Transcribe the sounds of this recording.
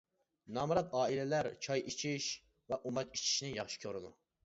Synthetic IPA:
nɑːmɨɾɑt̪ɑːilɛlæɾt͡ʃʰɑjit͡ʃʰiʃ | vɛʔumɑki̥t͡ʃʰi̥ʃnɪjɑχʃi̥kʲʰøɾɨd̪u

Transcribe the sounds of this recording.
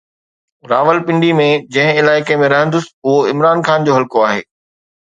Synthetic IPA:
ɾaːʋəlpɪ̃ɳɖimẽd͡ʑɐ̃ɦɪ̃ɪlaːɪkemẽɾɐɦə̃nd̪ʊsɪ̥ɦʊɦoɪmɾaːnxaːnd͡ʑoːɦɐlkoaːɦḛː

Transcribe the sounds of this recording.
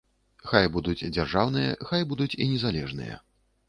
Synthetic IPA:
xajbud̪ut͡sʲd͡zʲarʐawnɨjɐ̰xajbud̪ut͡sʲinʲɛzalʲɛʐnɨ̰jɐ̰

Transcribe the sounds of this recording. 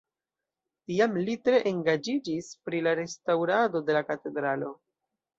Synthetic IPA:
tiamlitɾe̞ʔeŋɡad͡ʒid͡ʒispɾilaɾe̞stawɾado̞de̞lakate̞dɾalo̞

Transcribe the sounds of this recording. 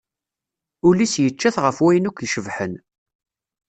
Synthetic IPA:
ʊlisjət͡ʃːæθʁəfwæjənukʷjʃəvħən

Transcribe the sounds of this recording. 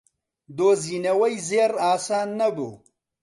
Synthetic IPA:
d̪oːzinɐwɐjzeːɾaːsaːnːɐbṵ

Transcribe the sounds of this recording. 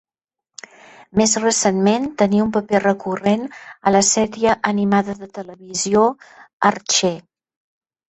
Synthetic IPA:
mezrəsenment̪əniumpəperəkurenələsɛɾjəʔənimaðəðət̪ələβizioərt͡ʃe

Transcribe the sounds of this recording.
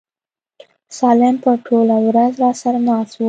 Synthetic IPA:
sɑlɪmpəʈʰolawɾazɾɑsaɾanɑswu

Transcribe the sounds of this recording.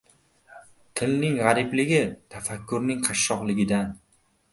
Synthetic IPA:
t̪ʰɪlnɪŋʁɑɾɪblɪɡʲɪt̪ʰafakʲːʊɾnɪŋqʰɑʃːɒqlˠɪɡʲɪd̪an

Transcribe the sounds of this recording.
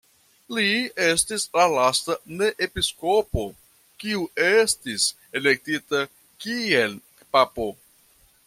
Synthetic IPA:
lie̞stislalastane̞ʔepisko̞po̞ | kiuʔestis | e̞le̞k̚tita | kie̞l | papo̞

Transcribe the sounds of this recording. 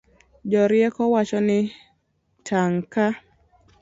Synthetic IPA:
d͡ʒɔɾɪɛkɔwat͡ʃɔnɪ | tʰaŋka

